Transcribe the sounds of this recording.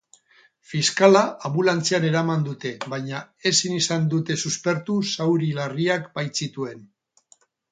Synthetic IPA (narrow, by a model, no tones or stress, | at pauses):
fiskalaːmulant͡siane̞ɾamand̪ut̪e̞βajɲa | e̞sinisand̪ut̪e̞suspe̞ɾt̪usawɾilariakbajt͡sit̪ue̞n